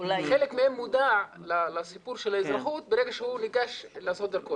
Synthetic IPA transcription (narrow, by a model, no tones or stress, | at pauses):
laχelekmehemːud̪aʕlalasipuɾʃelaizɾaχut̪̚beɾeɡaʃehuniɡaʃlasod̪eɾko